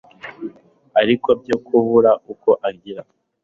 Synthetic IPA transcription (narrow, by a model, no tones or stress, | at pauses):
aɾiko̞b̚ɟoːkʰuβuɾauko̞ʔaɾɟiɾa